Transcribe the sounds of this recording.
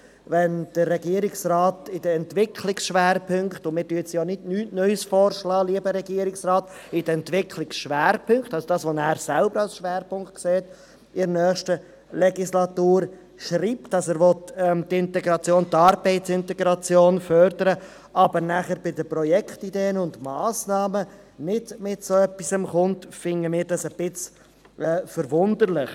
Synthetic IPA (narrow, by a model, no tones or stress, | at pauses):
vɛnd̥əɾːɛɡiːəɾɪksrɑːtɪd̥əɛnt̪ʋɪkʰlɪksʃʋæːɾpʰʏŋkχtʊmɪːɾtyːət͡sjoːnɪdnyːtnœʏsfɔːɾʃlɑːliəbəɾɛɡiəɾɪksɾɑːt | ɪdəɛntʋɪkʰlɪksʃʋæːɾpʰʏŋkχtɑlsod̥ɑːsʋonæːɾsælbəɾɑlsʃʋæːɾpʊŋkt̚kseːt̪ | ɪɾnœːχʃtə | lɛɡislɑt̪uːɾ | ʃɾiːp̚tdɑsæːɾʋɔtɛmtɪntɛɡɾɑt͡sjoːnt̪ɑɾbɛɪtt͡sɪntɛɡɾɑt͡sjoːnfœɾdəɾə | ɑbəɾnæχəɾbɪdəpɾɔjɛkχtideːənʊntmɑːsnɑːmə | nɪdmɪtsoœpːisəmχʊntfɪŋəmɪːɾd̥ɑsəb̥ɪt͡s | ɛːfəɾvʊndəɾlɪχ